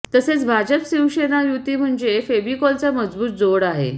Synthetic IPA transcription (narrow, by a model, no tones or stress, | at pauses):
t̪əset͡sbʱad͡ʑəpsiwɕenajut̪iːm̤əɳd͡zefebikɔlt͡saməd͡zbuːt̪̚d͡zoɽaɦḛ